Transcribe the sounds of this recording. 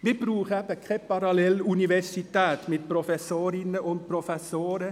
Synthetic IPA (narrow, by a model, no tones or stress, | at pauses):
ʋebɾʉːχæpəkʰɾɛpɑɾɑlɛlʉnɪʋɛsɪt̪æːt̪meːd̪̚pɾɔfɛsoːɾɪnəʔɔnpʰɾɔfɛsoːɾə